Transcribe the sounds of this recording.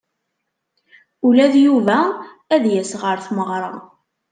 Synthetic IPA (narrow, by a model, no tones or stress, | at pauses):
ulæðjuvæ | æðjæsʁəɾθməʁɾˤə